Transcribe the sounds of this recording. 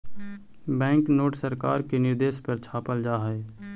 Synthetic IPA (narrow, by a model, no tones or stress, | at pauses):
bɛ̃ːŋknoːʈsəɾka̰ːɾkenɪɾd̪eːʃpəɾt͡ʃʰaːpəld͡ʒaːɦɛe